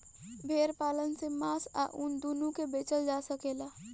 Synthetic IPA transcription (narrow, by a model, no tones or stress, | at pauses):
bʱeːɾpaːlənsemaːsa̰ʔʊnd̪uːnũkebeːt͡ʃəld͡ʒaːsəkeːlaː